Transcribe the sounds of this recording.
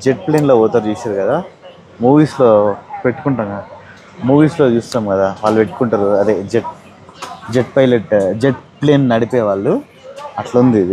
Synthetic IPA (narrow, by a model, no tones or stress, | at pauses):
d͡ʒeʈ̚ple̞ːnlo̞ːɔːt̪aːɾt͡ʃuːsaːɾukɐd̪aː | muːʋiːslo̞ːpe̞ʈːu̥kuɳʈamɡa | muːʋiːslo̞ːt͡ʃuːst̪aːmkɐd̪aːʋaːɭːupe̞ʈːu̥kuɳʈaːɾuɐd̪eːd͡ʒeʈ̚ | d͡ʒeʈ̚pɐjleʈd͡ʒeʈple̞ːnnɐɽipeːʋaːɭːu | ɐʈlɐund̪id̪i